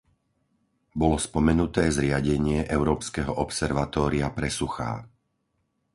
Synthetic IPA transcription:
bɔlɔspɔmɛnut̪ɛːzɾɪaɟɛɲɪɛʔɛʊɾɔːpskɛɦɔʔɔpsɛɾʋat̪ɔːɾiapɾɛsuxa̰ː

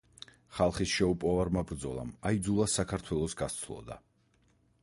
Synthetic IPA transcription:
χalˠχisʃɛupʼɔvaɾmabɾd̪zɔlˠa̰maid̪zulˠasakʰaɾt̪ʰwɛlˠɔsɡat̪sʰlˠɔ̰d̪a̰

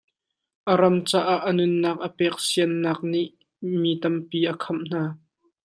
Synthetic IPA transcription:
ʔəɾɐmt͡saːʔaʔːənʊnːaːk̚ʔəpɛːk̚siənːaːk̚niʔ | mit̪ɐmpiːʔəkʰɐmn̥aː

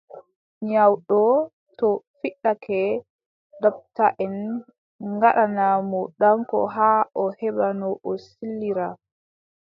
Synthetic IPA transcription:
ɲawɗɔ | tɔfiɗakʰɛ | dap̚taʔɛn | ŋɡaɗanamɔɗaŋkɔ̰ɦaːʔɔhɛbanɔʔɔsilːiɾa

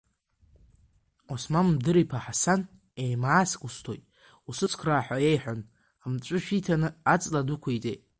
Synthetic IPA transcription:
osmanmdɨɾipʰaħasan | ejmaːskʷʼustʰojtʼ | usɨt͡sʰkʷʰraːħʷaejħʷan | amt͡ʃʷʼʊʃᶣitʰanɨat͡sʼladukʷʰaitʼḛj

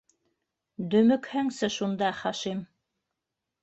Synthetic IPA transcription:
d̪ɵ̆mɵ̆khæŋsɘʃund̪ɑχæʃim

